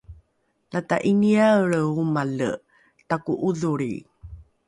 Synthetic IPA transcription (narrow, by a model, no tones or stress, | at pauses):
nata̰ʔiniaɭəumalə̰ | takuʔuðuɾḭ